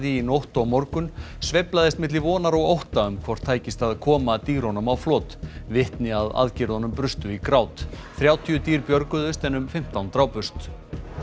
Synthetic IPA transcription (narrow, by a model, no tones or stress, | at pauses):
ðiːnowht̪ɔɣmɔɾkʏn | svɛjplaðɪst̪mɪt̪lɪvɔːnaɾɔɣowht̪aʏmkʰvɔr̥t̪ʰaːjcɪst̪aðkʰɔːmat̪iːɾɔnʏmawflɔːt̪vɪht̪nɪaða̰ðcɪɾðɔnʏmpɾʏst̪ʏikɾawt̪θɾjaːwt̪ʰiʏt̪iːɾpjœɾkʏðʏst̪ɛnʏmfɪm̥t̪awnt̪ɾawpʏst̪